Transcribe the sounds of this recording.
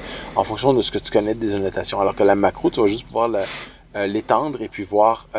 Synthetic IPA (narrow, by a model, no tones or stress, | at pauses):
ɑ̃fɔ̃ksjɔ̃d̪əsə̥kət̪y̥kɔnɛd̪ezanɔt̪asjɔ̃alɔʁkəlamakʁot̪yvaʒʏst̪puvwaːʁla | let̪ɑ̃d̪ʁepɥivwaːʁ